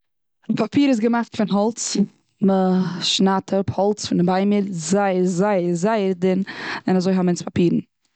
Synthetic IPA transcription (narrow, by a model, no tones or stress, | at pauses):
pʰapʰiːɾɪs̬ɡəmaχtfɪnɦɔlˠt͡s | məʃnatʰəʊphɔlˠt͡sfɪnɪbaɪməɾzaɪəzaɪəzaɪəɾdɪnɪnazoɪɦamɪnspapiːɾn̩